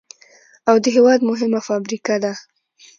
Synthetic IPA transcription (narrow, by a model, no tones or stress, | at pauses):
awd̪əɦewɑd̪mʊɦɪmafɑbɾikad̪a